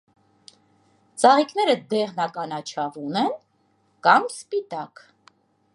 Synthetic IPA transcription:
t͡sɑʁikn̪ɛɾəd̪ɛʁnɑkɑnɑt͡ʃʰɑvunɛn | kɑmspit̪ɑk

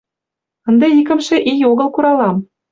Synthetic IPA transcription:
ɤ̆nd̪ĕikə̆mʃĕʔijoɣɤ̆lkuɾɑlɑm

